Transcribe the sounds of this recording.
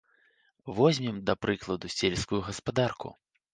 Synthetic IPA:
vɔzʲmʲimd̪ɐpɾɨklˠɐd̪usʲelʲskujuɣɐspad̪arkṵ

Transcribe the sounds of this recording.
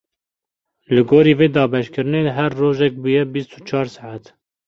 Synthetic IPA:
lɨɡoːɾiːveːd̪ɑːbɛʃkɨɾɨneːɦɛrːoːʒɛk̚bujɛbist̪ʰu̥t͡ʃʰɑːɾsaʕat̪

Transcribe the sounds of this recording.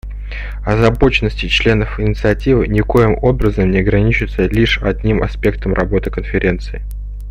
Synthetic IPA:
ɐzɐbo̞t͡ɕɪnəsʲtʲɪt͡ɕlʲe̞nəfɪnʲɪt̪sɨɐtʲivɨnʲɪko̞jɪmo̞bɾəzəmnʲɪɐɡɾɐnʲit͡ɕɪt̪səlʲiʂɐdʲnʲimɐ̰spʲe̞kt̪əmrʔɐbo̞t̪ɨkənfʲɪɾʲe̞nt̪sɨɪ

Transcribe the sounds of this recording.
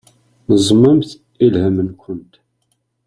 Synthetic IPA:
nəzˤmːəmθ | ilhəmənkʷənt̪

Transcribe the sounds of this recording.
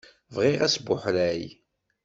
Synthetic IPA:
vʁɪʁæsbʊħɾæj

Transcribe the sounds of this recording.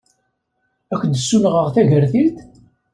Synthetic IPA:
ækʷːənd̪əsːunʁəʁθæʝəɾθit̪

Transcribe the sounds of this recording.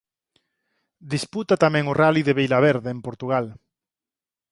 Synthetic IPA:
d̪isput̪at̪amɛ̃ŋoraliðeβejlaβ̞eɾðeːmpoɾt̪uɣ̞al

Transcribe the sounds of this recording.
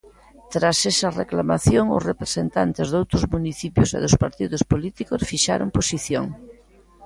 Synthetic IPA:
t̪ɾasesɐrḛklamaθjoŋʊ̰srepɾesent̪ant̪ezðowt̪ɾʊzmuniθipjʊsḛðʊspaɾt̪iðʊspolit̪ikosfiʃa̰ɾo̰mposiθjoŋ

